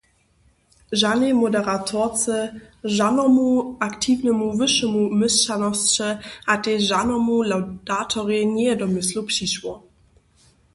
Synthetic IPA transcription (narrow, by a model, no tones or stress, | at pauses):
ʒanemodɛʁatʰɔt͡səʒanɔmuaktʰiːvnəmuvəʃəmumɪst͡ʃanɔst͡ʃəʔateʒanɔmulawd̥atʰɔʁeɲɛjɛdɔmɪslupɕiʃwɔ